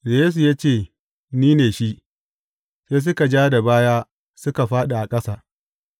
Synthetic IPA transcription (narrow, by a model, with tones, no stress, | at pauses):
jjeː˦s̬u˨jaː˦t͡ʃeː˦˨ | niː˦neː˨ʃi˦ʔ | seː˦s̬ʊ˦ka˨d͡ʒaː˦da˨baː˦jaː˦ | sʊ˦ka˨ɸaː˦ɗa˨ʔa˨kʼɐ˦sa˨